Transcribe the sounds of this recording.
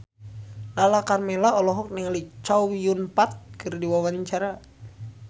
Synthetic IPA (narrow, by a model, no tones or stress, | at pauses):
lalakarmɛlaɔlɔɦɔk̚niŋalit͡ʃawijunpat̪̚kɨrdiwawaɲt͡ʃaɾa